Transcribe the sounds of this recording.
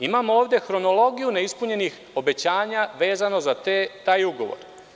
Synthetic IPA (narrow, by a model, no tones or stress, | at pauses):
imamoo̞ːʋd̪e̞xɾo̞no̞lˠo̞ɡijune̞ispuɲe̞nix | o̞be̞t͡ɕaːɲaʋe̞ːzano̞zat̪t̪aːjuɡo̞ʋo̰ɾ